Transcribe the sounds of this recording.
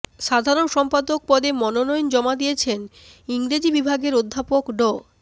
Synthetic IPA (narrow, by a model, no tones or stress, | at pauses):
ʃad̪ʱaɾonʃɔmpad̪ok̚pɔd̪emɔnonɔjnd͡ʑɔmad̪ijet͡ɕʰen | iŋɾed͡ʑibibʱaɡeɾod̪ʱːapokɖo